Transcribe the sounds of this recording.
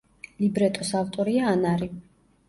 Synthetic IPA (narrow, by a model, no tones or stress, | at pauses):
libɾɛt̪ʼɔsavt̪ʼɔɾiaːnaɾi